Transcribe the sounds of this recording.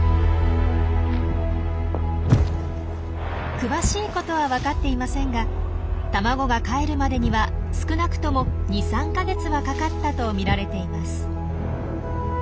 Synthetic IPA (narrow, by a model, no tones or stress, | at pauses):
kɯ̟βaɕiːko̞t̪o̞β̞aβakat̪ːe̞imasẽ̞ŋɡa | t̪amaɡo̞ɡakae̞ɾɯ̟mad̪e̞ɲ̟iβa | sɨ̥kɯ̟nakɯ̟̥t̪o̞mo̞ɲ̟isãŋkaɡe̞t͡sɨβakakat̪ːat̪o̞mʲiɾaɾe̞t̪e̞imasɨ̥